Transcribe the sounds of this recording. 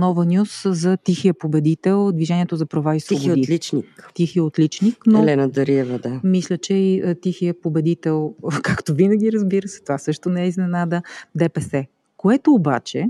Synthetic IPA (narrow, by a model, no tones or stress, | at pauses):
nɔvənʲjuszɐt̪ixiəpobɛd̪it̪ɛlˠd̪viʒɛnʲiɛt̪ozɐpɾɐvaisvoboot̪lit͡ʃnikt̪ixiəot̪lit͡ʃniknoɛlɛnəd̪əɾiɛvəd̪amislʲət͡ʃɛit̪ixijəpobɛd̪it̪ɛlˠkakt̪ovinəɡ̟ʲiɾəzbiɾəsɛ̥t̪ovasɤʃt̪onɛɛiznɛnad̪əd̪ɛpɛsɛ | koɛt̪oːba̰t͡ʃɛ